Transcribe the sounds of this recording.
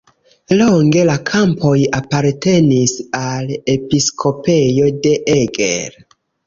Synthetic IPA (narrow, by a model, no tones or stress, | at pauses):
loŋɡe̞lakʰampʰo̞japaɾte̞nisale̞piskʰo̞pe̞jo̞de̞ʔeɡḛɾ